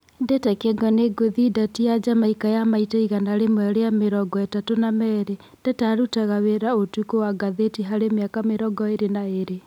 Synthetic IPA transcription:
ndɛtɛkɛɡɔneɡoðidatiad͡ʒamaikajamaitaiɣanaɾemwɛɾeameɾɔɡɔɛtatonamɛɾe | d̥ɛtaɾutaɣaweɾaotukowaɡaðetiɦaɾemjakameɾɔɡɔeɾenaeɾe

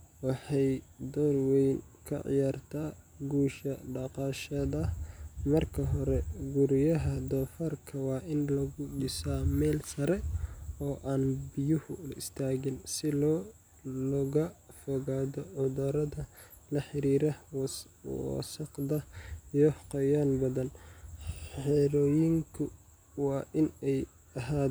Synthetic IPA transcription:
wɑħɑjd̪ɔːnwɛjnkʰɐ̰ʕɪ̰jaːrt̪ʰaː | ɡuːʃɐɖɑqɑːʃɐðɐmɐrkʰɐɦɔɾɛɡuɾɪjɐɦɐd̪ɔːfɐrkʰɐwɑːʔɪnlɐɣʊɗɪsaːmɛːlsɐɾɛɔːʔaːnbɪjʊhʊlɪ̰st̪ʰaːɣɪnsɪlɔ | lɔɣɐfɔɣaːðɔʕʊðaːɾɐðɐ | lɐħɪɾiːɾɐ | sɐqd̪ɐjɔhqɔjaːnbɐðɐn | ħɛɾɔːjɪŋkʰʊ | wɑːʔɪnɛj | ɐɦaː

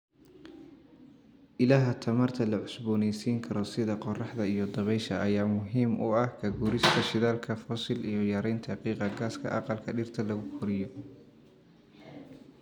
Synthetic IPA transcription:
ʔɪlaːɦɐt̪ʰɐmɐrt̪ʰɐlɐʕʊsbɔːnɛjsiːŋkʰɐɾɔsɪðɐqɔrɑħd̪ɐijɔd̪ɐβɛjʃɐʔɐjaːmʊɦiːmʔʊɐhkʰɐɡuːɾɪst̪ʰɐʃɪðaːlkʰɐfɔsɪlijɞjɐɾɛjnt̪ʰɐqiːqɑɡaːskʰɐ̰ʔɑ̰qɑlkʰɐɖɪrt̪ʰɐlɐɣʊqʊɾɪjɔ

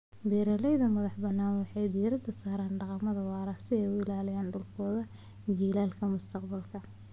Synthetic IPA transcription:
biːɾɐlɛjðɐmɐðɑħbɐnːaːnwɑħɑjd̪iːɾɐd̪ɐsaːɾaːnɖɑqɑmɐðɐwɑːɾɐsɪɛjʊɪlaːlɪjaːnɖʊlkʰɔːðɐ | d͡ʒiːlaːlkʰɐmʊst̪ʰɐqbɐlkʰɐ

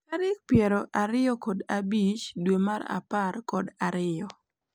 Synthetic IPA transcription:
kaɾɪk̚pjɛɾɔʔaɾɪɔkɔdabit͡ʃdwemaɾa̰parkɔdaɾɪjɔ

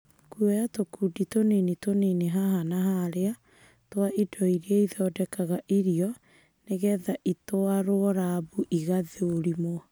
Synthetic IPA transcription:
kuɔjatokuditonenitoneneɦaɦanaɦaɾea | twaʔidɔiɾeaiðɔːdɛkaɣaʔiɾiɔ | neɣɛðaʔitoaɾoɔɾaβuʔiɣaðeoɾimo

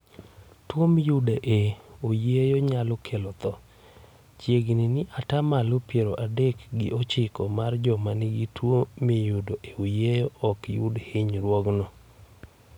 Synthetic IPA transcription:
twomijʊdaʔeojejoɲalɔkʰelɔt̪ɔ | t͡ʃjeɡninɪʔatamalopjeɾoʔadekɡɪʔɔt͡ʃɪkɔmard͡ʒɔmanɪɡitwomijʊdoʔeojejɔɔkjʊ̰dhɪɲɾwɔɡnɔ

